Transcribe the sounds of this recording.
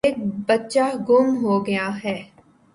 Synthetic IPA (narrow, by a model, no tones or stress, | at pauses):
eːk̚bɐtːʃaɡʊmɦoːɡɐjaɦɛː